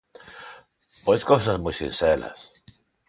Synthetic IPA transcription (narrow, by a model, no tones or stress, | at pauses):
pojskosazmujsḭnsela̰s